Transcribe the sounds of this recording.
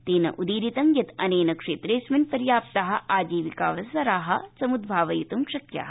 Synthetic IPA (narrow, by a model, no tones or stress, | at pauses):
t̪eːnɐ̰ʔud̪iːɾit̪ɐmjɐt̪ɐneːnɐkʂeːt̪ɾeːsmɐnpɐɾjaːp̚t̪ɐɦɐ̆ʔaːd͡ʒiːʋika̰ːʋɐsɐɾaːɦɐ̰sɐmud̪̚bʱaːʋɐjut̪umkʃɐkja̰ːɦɐ